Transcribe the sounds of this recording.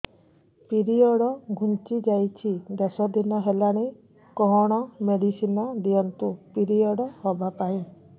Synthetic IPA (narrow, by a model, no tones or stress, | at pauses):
piɾiɔɽɔɡʱunt͡ʃid͡ʒajt͡ʃʰid̪esɔd̪ʱinɔɦelaɽ̃e | kɔɦɔɽ̃ɔmeɽisinɔd̪iɔnt̪upiɾiɔɽɔhɔbapaĩ